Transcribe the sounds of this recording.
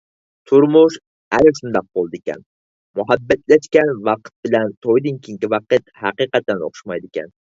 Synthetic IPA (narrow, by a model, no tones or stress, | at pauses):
t̪ʰʊɾmʊʃ | aɾɪʃʊnd̪ɑq̚bolˠd̪ɪkʲa̰n | mʊɦabːat̪laʃkʲanvɑqt̪̚bɪlant̪ʰojd̪ɪŋkʲʰɪŋkʲɪvɑqɨt̪hɑqɨqɑt̪ʰːano̰χʃmajd̪ɪkʲa̰n